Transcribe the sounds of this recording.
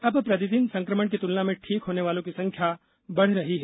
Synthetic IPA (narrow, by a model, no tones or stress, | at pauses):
ɐbpɾɐd̪id̪insɐ̃ŋkɾəməɽ̃k̬it̪ulnamẽʈʰiːkɦoːneʋaːlõkisɐ̃ŋkʰja | bɐɽ̤ɾɐɦiɦɛː